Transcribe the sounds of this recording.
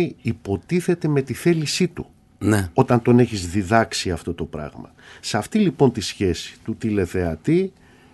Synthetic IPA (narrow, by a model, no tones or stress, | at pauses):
iipo̞t̪iθe̞t̪eme̞t̪iθe̞lisit̪u | neo̞t̪ɐnt̪o̞ne̞çizðiðɐksiɐft̪o̞t̪o̞pɾɐ̰ɣmɐ̰ | sɐft̪ilipo̞nt̪isçe̞si̥t̪ut̪ile̞θe̞ɐt̪i